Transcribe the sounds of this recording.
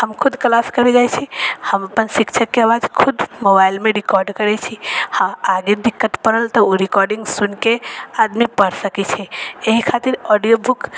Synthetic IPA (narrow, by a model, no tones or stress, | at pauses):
həmkʰʊd̪klaskəɾed͡ʒajt͡ʃʰihəməpənsikt͡ʃʰəkːeaʋad͡ʒkʰʊd̪mobaɪlmẽɾɪkɔɾɖkəɾɛt͡ʃʰihãaɡed̪ɪkːət̪pəɾəlt̪ɔoɾikɔɾɖĩŋɡsunkead̪mipəɾsəkit͡ʃʰɛeɦikʰat̪iɾɔɖijobʱuk